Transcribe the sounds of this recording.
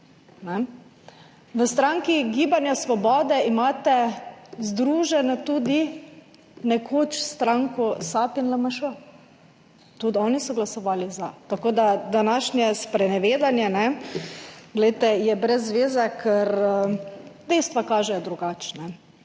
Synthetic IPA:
nɛ | ʋəst̪ɾaŋkiɡiːbanjasʋɔbɔːd̪ɛimaːt̪ɛzd̪ɾuːʒɛnɛt̪uːd̪i | nɛkʰoːt͡ʃst̪ɾaŋkɔsaːpinlamaʃo | t̪ud̪ɔːnisɔɡlasɔʋaːlizat̪akoːd̪ad̪anaːʃnjɛspɾɛnɛʋeːd̪anjɛnɛ | ɡlɛjt̪ɛjɛbɾɛzːʋeːzɛkʰɛɾ | d̪̥ɛjst̪ʋakaːʒɛjɔd̪ɾuɡaːt͡ʃnɛ

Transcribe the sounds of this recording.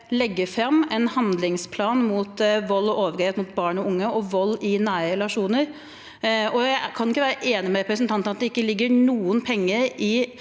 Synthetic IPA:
lɛɡːəɾfɾɑmːɛnhɑnd̪lɪŋspʰlɑːnmʊt̪ʋɔlːɔʔoːʋəɾeːt̪mʊt̪̚bɑːɳɔʊŋːəʔɔʋɔlːɪnæːɾəɾɛlɑʂuːnəɾ | ɔjæɪkʰɑnɪkːəʋæːɾəʔeːnɪmɛɾɛpɾəsənt̪ʰɑnt̪ənɑt̪̚d̪ɛɪkːəlɪɡːəɳuːənpʰɛŋːəɾɪ

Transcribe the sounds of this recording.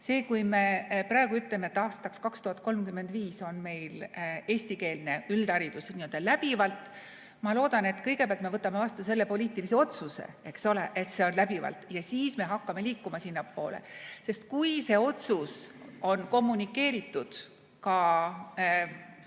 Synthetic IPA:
se̞ːkujme̞prɑeɡuyt̪lemeet̪ːˑɑːst̪ɑkskɑkst̪uhɑt̪̚ˑko̞lmkymːe̞nd̪̥viːso̞nme̞jle̞ːsʲt̪ike̞ːlne̞yld̪̥ɑɾid̪̥usniøld̪̥ɑlæb̥ivɑlt̪ˑ | mɑlo̞ːd̪̥ɑne̞t̪ːˑkɤjɡ̥epeæɑlt̪me̞vɤt̪ːˑɑme̞vɑst̪use̞lːe̞po̞lʲiːt̪ːilise̞o̞t̪suse̞̰e̞kso̞le̞̰ʔe̞t̪se̞o̞nlæbivɑ̰lt̪jɑsiːsme̞ɦɑkːɑme̞liːkːumɑsinːɑpːo̞̰ːlḛse̞st̪̚kujse̞o̞t̪suso̞nko̞mːunʲikːˑe̞ːɾit̪ːˑud̪̥ | kɑ

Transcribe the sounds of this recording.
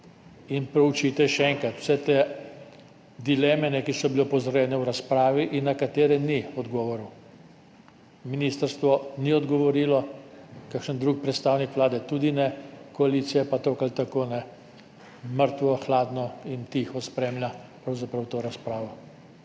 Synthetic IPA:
inpɾɛut͡ʃit̪ɛʃɛɛŋkɾat̪w̥sɛt̪e | d̪ilɛːmɛnɛkisɔbilepɔzɾɔjɛːnɛwɾaspɾaːʋiʔinːakat̪eːɾɛniɔd̪ɡɔːʋɔɾu | miniːst̪əɾst̪ʋɔniɔd̪ɡɔʋɔɾiːlɔkakʃənd̪ɾuːk̚pɾɛt̪st̪aːwnikʋlaːd̪ɛt̪uːd̪inɛkɔaliːt̪sijɛpat̪okalt̪akoːnɛ | məɾt̪ʋɔxlaːd̪nɔint̪ixɔspɾeːmlʲjapɾɐwzapɾɐwt̪oːɾaspɾaːʋɔ

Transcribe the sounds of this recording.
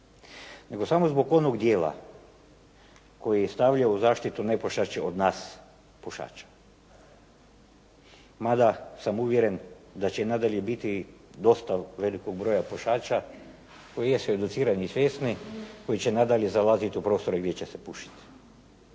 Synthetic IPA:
ne̞ɡo̞samozbo̞ɡo̞noɡd̪jeːla̰ | ko̞jiest̪aʋʎauzaːʃt̪it̪une̞poʃat͡ʃeod̪naːs | puʃa̰ːt͡ʃḁ | mad̪asamuʋjeɾe̞nd̪at͡ɕenad̪alʲje̞bit̪id̪o̞st̪aʋe̞likoɡ̚bɾo̞japoʃaːt͡ʃa | ko̞jijesoed̪ut̪siːɾanisʋjeːst̪niko̞jit͡ɕe̞nad̪aʎʲjezalazit̪iupɾo̞ːst̪o̞ɾeɡd̪jet͡ɕesepuʃi̥t̪i̥

